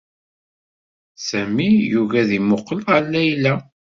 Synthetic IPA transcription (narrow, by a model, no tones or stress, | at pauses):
sæmijuvæðimʊqːəlʁəlːæjlæ